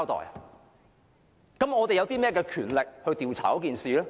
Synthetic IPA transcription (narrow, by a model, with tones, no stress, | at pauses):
wt̪ɔ̰ː˨˩j | kɐ˨˥mɔː˨˧t̪e˨jɐ˨˧wt̪iː˥mɛː˥˧kɛː˧kʰyː˨˩nlɪ˨k̚hɵ˧ɥt̪iː˨wt͡sʰaː˨˩kɔ˨˥kiː˨nsiː˨˧lɛː˥